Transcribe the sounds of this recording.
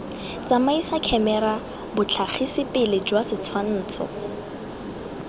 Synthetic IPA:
t͡samaisakʰɛmɛɾa | bʊt͡ɬʰaχʰisɪpɪlɪd͡ʒwasɪt͡sʰwann̩ːt͡sʰɔ̰

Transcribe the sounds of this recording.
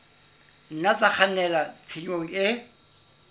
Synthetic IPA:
n̩nat͡sak͡xʰanɛlat͡sʰiɲoŋ̩ɪ

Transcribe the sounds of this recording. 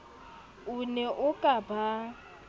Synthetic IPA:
ʊnɛʔʊkʼaba

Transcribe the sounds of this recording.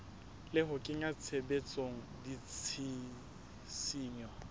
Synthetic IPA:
lɪɦʊkʼɪŋat͡sʰebet͡sʼoŋ̩dit͡sʰi | siːɲɔ

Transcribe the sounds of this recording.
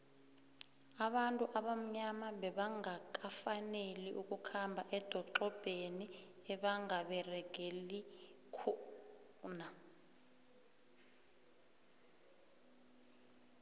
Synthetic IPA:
aɓantʼuʔaɓam̩ɲamaɓɛɓaŋak̬ʼafaneliʔuk̬ʼukʰambʱaʔɛd̥ʱɔǃɔb̥ʱeniɛɓaŋaɓɛrɛɡ̥ʱelikʰu | na

